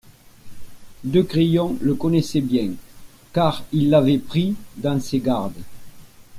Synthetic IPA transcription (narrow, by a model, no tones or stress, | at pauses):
d̪økʁijɔ̃ləkɔnesɛbjɛ̃ŋ | kaʁilːavɛpχid̪ɑ̃seɡaʁd̪ə